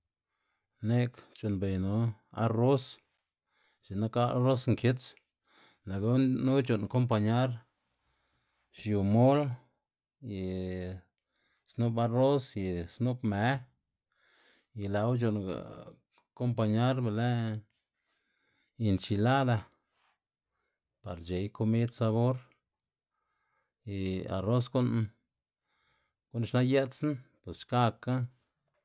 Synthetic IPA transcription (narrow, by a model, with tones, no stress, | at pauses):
ne˦kt͡ʃu˨nbe˨jnu˦a̰˦ɾo˦s | t͡ʃi˨na˦ka˦a˦ɾo˦sŋke˦t͡s | la˨ɡa˧˦nu˦t͡ʃo˨nko˦mp̬a˧ɲa˦ɾ | ʃju˨mo˦l | ji˨ | snu˦ba˧ɾo˦sji˨snu˦bme˨˦ | ji˧la˨˦wt͡ʃo˧nɡa̰˨ | ko˦mpa˧ɲa˦ɾbe˧le˦ | ji˧nt͡ʃi˧˨la˦d̪a˧ | pa˨ɾt͡ʃe˨jkʰo˧mi˦d̪sa˧βo˦ɾ | ji˧a̰˨ro˦s̬ɡu˦n | ɡ̥u˦nʃna˦je˦t̪snpwe˨sʃka˦˧ka˦